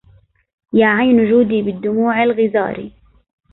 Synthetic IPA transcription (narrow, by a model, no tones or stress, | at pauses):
jaːʕajnʊd͡ʒuːd̪iːbɪd̪ːʊmuːʕalɣɪza̰ːɾḭ